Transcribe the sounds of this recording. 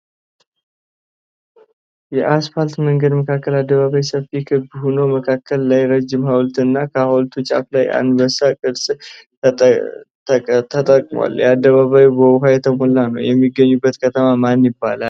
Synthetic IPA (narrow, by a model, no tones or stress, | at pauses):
jɛʔasfalt̪məŋɡəd̪məkʰakːəlad̪ːəβaβajsəfikʰɨbhonowməkʰakʰːəlːajɾəd͡ʒːɪmhawlt̪ɨnːakʰəhawlt̪ʰut͡ʃʼa̰flajʔa̰nd̪bəsakʼɨd̪sʼ | t̪ʰət̪ʼəkʼmwa̰ljɛad̪ːəβaβajubəwɦajɛt̪ʰəmolːanəwjɛmːiɡːəɲːubːət̪kʰət̪ʰəmamanjɪbːalal